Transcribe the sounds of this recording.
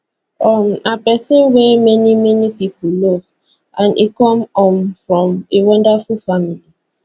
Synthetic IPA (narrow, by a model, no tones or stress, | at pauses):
ɔmapɛsə̃nwɛmɛnimɛnipipolɔv | ʔãnʔḭkɔ̃mɔ̃nfɹɔ̃mewɔ̃ndafulfamili